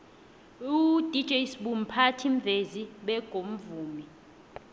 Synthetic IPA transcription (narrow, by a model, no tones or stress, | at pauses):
ud̥ʱid̥ʒ̥ʱɛjisɓum̩pʰatʰiɱ̩vʱeziɓɛɡ̥ʱom̩vuːmi